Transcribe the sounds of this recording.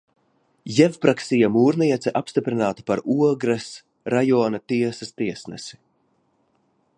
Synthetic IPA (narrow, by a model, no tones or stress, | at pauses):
jɛvpɾaksijamuːɾniɛt̪sɛʔapst̪ipɾinaːt̪i̥paɾuɔɡɾɐs | ɾajɔːnat̪iɛsɐst̪iɛsnɛ̰si̥